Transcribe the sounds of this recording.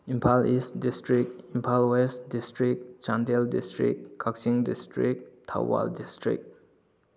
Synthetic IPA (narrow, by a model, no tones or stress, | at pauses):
impʰalistdistɾik̚impʰalwestdistɾik̚t͡ʃandeldistɾḭkkʰaksiŋdistɾik̚tʰa̰wba̰ldistɾḭk̚